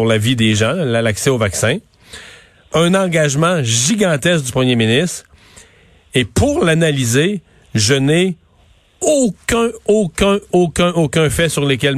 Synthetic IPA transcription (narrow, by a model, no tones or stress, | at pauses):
ʁlavid̪eʒɑ̃lalaksɛovaksɛ̃ | œ̃nɑ̃ɡaʒmɑ̃ʒiɡɑ̃t̪ɛsk̚d̪ypʁəmjeminist̪ʁ | epuʁlanalize | ʒəne | okʲɛ̃okʲɛ̃okʲɛ̃ʔokʲɛ̃fɛsyʁlək̬ʲɛl